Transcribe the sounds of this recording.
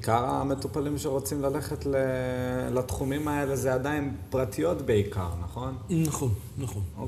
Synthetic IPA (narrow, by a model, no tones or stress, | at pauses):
kaʁame̞tupalimʃeʁo̞t͡simlale̞χetlelat̪χumimae̞le̞zeadainpʁatʰijo̞tbe̞ika̰ʁnaχo̞nnaχon | naχono